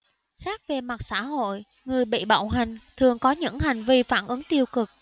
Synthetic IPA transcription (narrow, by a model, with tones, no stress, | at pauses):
saː˦˥k̚ve˨˩ma˨˩t̚sa̰ː˧˥ɦo̰˧˨j | ŋɨ˨˩əjɓḭ˧˨ɓa̰˧˨wɦa˨˩jŋ̟t̪ʰɨ˨˩əŋkɔ˨˦ɲɨ̰˧˥ŋha˨˩jŋ̟vi˧faː˧˩nʔɨ˨˦ŋt̪i˧əwkɨ˨˩k̚